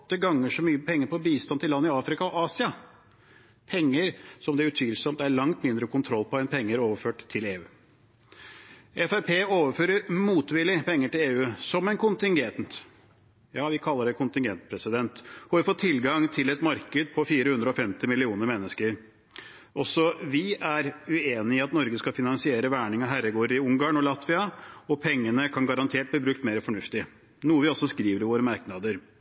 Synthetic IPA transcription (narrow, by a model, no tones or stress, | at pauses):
t̪ːəɡɑŋːəʂɔmyːəpʰɛŋːəɾpɔbiːst̪ɑnt̪ʰɪlːɑnːɪɑːfɾɪkɑɔʔɑːsɪɑ | pʰɛŋːəɾsɔmd̪ɛæʉt̪ʰʋiːlsɔmt̪æɾɭɑŋt̪mɪnd̪ɾəkʰʊnt̪ʰɾɔlːpɔɛnpʰɛŋːəɾoːʋəføːʈt̪ʰːɪleːʉː | ɛfæɾpʰeːoːʋəføːɾəɾmuːt̪ʋɪlɪpʰɛŋːəʈɪleːʉːsɔmɛnkʊnt̪ɪŋɡɛnt̪ | jɑːʋɪkʰɑlːəɖɛkʊnt̪ɪŋɡɛnt̪pʰɾɛsɪd̪ɛnt̪hʉɑɾfɔt̪ʰːɪlɡɑŋt̪ʰɪlɛt̪mɑɾkəd̪pʰɔfiːɾəhʉnd̪ɾəɔfɛmt̪ɪmɪlɪuːnəɾmɛnːəskəɾ | ʔɔsɔʋɪæɾʉeːnɪɪɑt̪nɔɾɡəskɑfɪnɑnsɪeːɾəʋæːɳɪŋɑɦæɾəɡoːɾəɾɪʊŋɡɑːɳɔlɑt̪ʋɪɑɔpʰɛŋːənəkʰɑnɡɑɾɑnt̪ʰeːʈ̚bliːbɾʉk̚t̪meːɾəfɔɳʉft̪ɪ | nuːəʋɪɔsːɔskɾiːʋəɾɪʋoːɾəmɑɾknɑd̪əɾ